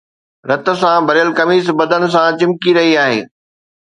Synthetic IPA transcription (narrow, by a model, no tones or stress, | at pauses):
ɾɐt̪ə̆sãbʱɐɾjəlkɐmiːs̬bɐd̪ʱənɪ̆s̬ãt͡ɕɪ̃mkiɾɐɦiaːɦḛː